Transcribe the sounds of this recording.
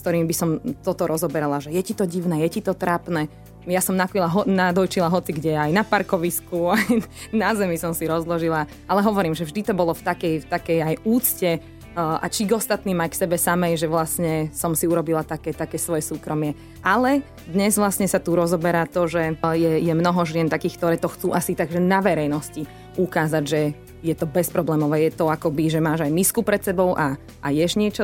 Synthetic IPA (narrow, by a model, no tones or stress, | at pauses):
skt̪ɔɾiːmibisɔmt̪ɔt̪ɔɾɔzɔbɛɾalaʒɛjɛcit̪ɔɟiʋʊnɛːjɛcit̪ɔt̪ɾapnɛː | jasɔmnakilaɦɔnad̪ɔjt͡ʃilaɦɔt͡siɡɟɛajnapaɾkɔʋiskuajnazɛmisɔmsiɾɔzlˠɔʒila | alɛɦɔʋɔɾiːmʒɛvʒd̪it̪ɔbɔlɔft̪akɛjft̪akɛjajuːt͡scɛ | a̰t͡ʃiɡɔst̪at̪niːmajksɛbɛsamɛjʒɛʋlasɲɛsɔmsiuɾɔbilat̪akɛːt̪akɛːsʋɔjɛsuːkɾɔmɪɛ | ʔalɛ | d̪ɲɛzʋlasɲɛsat̪uɾɔzɔbɛɾaːt̪ɔʒɛjɛjɛmnɔɦɔʒɪɛnt̪akiːxk̚t̪ɔɾɛːt̪ɔxt͡suːʔasit̪aɡʒɛnaʋɛɾɛjnɔsci | ukaːzaɟʒɛ | jɛt̪ɔbɛspɾɔblɛːmɔʋɛːjɛt̪ɔakɔbiʒɛmaːʒajmiskupɾɛt̪sɛbɔʊʔa | ʔa̰jɛʒɲɪɛt͡ʃɔ